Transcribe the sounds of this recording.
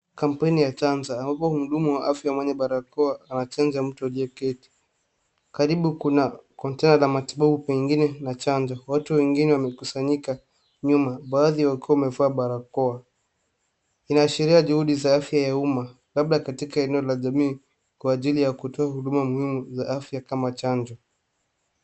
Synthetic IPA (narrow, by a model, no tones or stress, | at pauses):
kam̩pɛnijat͡ʃanzaːmbapɔumuɗumuwaʔafjamwɛɲɛɓaɾakɔaːnat͡ʃand͡ʒam̩tɔliɔkɛti̥ | kaɾiɓukunakɔntɛnalamatiɓaɓupɛŋɡinɛnat͡ʃand͡ʒɔwatuwɛŋɡinɛwamɛkusaɲika | ɲumaɓaːðiwakuaumɛvaːɓaɾakɔa | inaːʃiɾiaʄuhuɗizaafjajauma | laɓ̚ɗakatikaɛnɛɔlaʄamiː | kwaːʄilijakutɔahuɗumamuhimuzaafjakamat͡ʃaɲd͡ʒɔ